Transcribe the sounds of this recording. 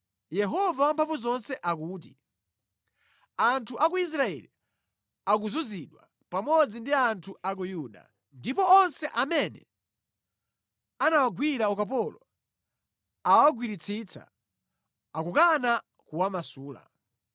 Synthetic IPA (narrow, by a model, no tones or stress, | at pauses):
jɛɦɔvawampʰaɱvuzɔnsɛʔak̬uːt̬i | antʰuʔakuis̬ɾaɛ̰li | ak̬uzuziɗwa̰ | pamɔd͡zindiantʰuʔak̬ujuɗa̰ | ndipɔɔnsɛʔamɛnɛ̰ | anawaɡwiɾaɔkap̬ɔlɔ | awaɡwiɾit͡sʰiːt͡sʰa̰ | akukana | kuwamasuːla̰